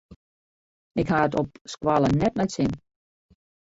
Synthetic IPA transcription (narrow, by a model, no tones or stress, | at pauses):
ɪkhaətɔp̚skwalˠənɛtnɛtsɪn